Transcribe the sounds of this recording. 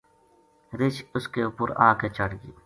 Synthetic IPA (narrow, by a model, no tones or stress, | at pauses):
ɾɪt͡ʃʊskeʊpʊɾã̰ːket͡ʃɐɽɡiː